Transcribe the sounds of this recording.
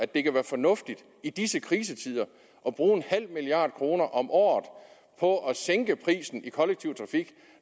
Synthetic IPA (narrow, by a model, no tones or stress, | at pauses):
æd̥e̝kʰæʋæːɐfɒ̽nɔ̽fd̥id̥ | id̥isəkʰʁiːs̬ət͡sʰið̞̰ˠɐ | ʔɒ̽b̥ʁuːe̝nhæl̰miliɑ̈ːd̥̚kʰʁo̝ːnɐʔɒ̽mʔɒ̰ːð̩ˠ | pʰɒ̽ʔæseŋɡ̥əpʰʁḭːsn̩ikʰɒ̽leɡ̥̚t͡sʰiʊ̰t͡sʰʁɑ̈fiɡ̥